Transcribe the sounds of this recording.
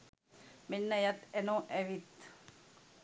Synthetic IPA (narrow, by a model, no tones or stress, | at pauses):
menːɐjat̪ɛnoʔɛʋit̪